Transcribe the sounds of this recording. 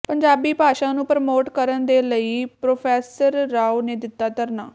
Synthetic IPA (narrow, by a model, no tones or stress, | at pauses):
pəɲd͡ʒaːbiːpaːʃãːnũːpɾəmoːʈkəɾənd̪eːləiːpɾoːpʰɛːsəɾːaːuneːd̪ɪt̪ːaːt̪əɾnaː